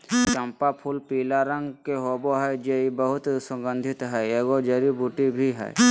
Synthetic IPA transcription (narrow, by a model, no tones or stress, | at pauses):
t͡ʃəmpapʰulpiːlaɾə̃ŋɡkeɦoboɦɛjd͡ʒeibəɦʊt̪sə̃ŋɡənd̪ʱɪt̪ɦɛjeɡod͡ʒəɾibuʈibʱiɦɛ̰j